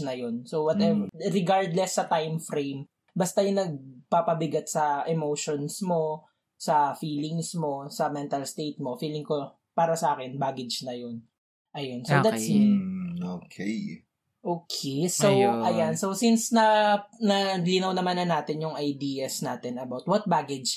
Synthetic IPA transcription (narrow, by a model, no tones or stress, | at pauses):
nɐjonsowɔt̪ɛɾɪɡaɹd̪lɛsːɐt̪ajmfɾejm | bɐst̪ɐjʊŋnɐɡ̚papɐbɪɡɐt̪̚sɐʔɛmowʃonsmo̞ | sɐfiːlɪŋsmo̞sɐmɛnt̪ɐlst̪ejt̪̚mofiːlɪŋko | paːɾɐsɐʔaːkɛnbaːɡɪd͡ʒnɐjon | ʔɐjonsod̪as | okʰe | ʔoːkʰesowʔɐjansowsinsnɐnɐlɪnɐwnɐmanːɐnːaːt̪ɪnjʊŋʔɐjd̪iːɐsnaːt̪ɪnɐbawt̪̚wɐt̪̚baːɡɛd͡ʒ